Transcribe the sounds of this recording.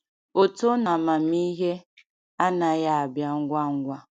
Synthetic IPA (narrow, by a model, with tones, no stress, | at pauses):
o˨to˦na˨ma˨mi˦ɦe˦ | a˦na˨ja˦a˨bja˦ŋ̩˦ɡʷa˦ŋ̩˦ɡʷa˦